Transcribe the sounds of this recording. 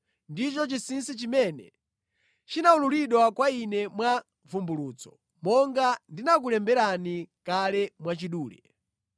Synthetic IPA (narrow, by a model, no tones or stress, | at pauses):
ndit͡ʃɔt͡ʃisinsit͡ʃimɛnɛ | t͡ʃinaululiɗwakwainɛmwa | vumbuluːt͡sɔ̥ | mɔŋɡandinak̬ulɛmbɛɾanikalɛmwat͡ʃiɗuːlɛ̰